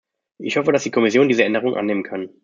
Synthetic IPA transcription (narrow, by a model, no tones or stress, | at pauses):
ʔɪçhɔfəɾasd̥iːkʰɔmɪsjoːndiːzəɛndəʁ̞ʊŋʔa̰nːeːmənkʰan